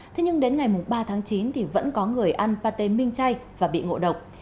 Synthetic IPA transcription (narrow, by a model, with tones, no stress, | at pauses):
t̪ʰe˨˦ɲɨ˧ŋɗe˨˦nŋa˨˩jmʊ˨˩ŋ͡mɓaː˧t̪ʰaː˨˦ŋt͡ɕi˨˦nt̪ʰi˨˩və̰˧˥nkɔ˨˦ŋɨ˨˩əjʔa˧npaː˧t̪e˧˩mï˧ŋ̟t͡ɕa˧jvaː˨˩ɓḭ˧˨ŋo̰˧˨ɗə˨˩wk͡p̚